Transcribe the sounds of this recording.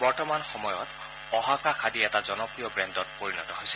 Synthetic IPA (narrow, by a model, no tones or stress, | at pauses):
bɔɹtɔmanxɔmɔjɔt | ɔɦakaxʰadiɛtazɔnɔpɹijɔbɹɛndɔt̚poɹinɔtɔɦojsɛ̥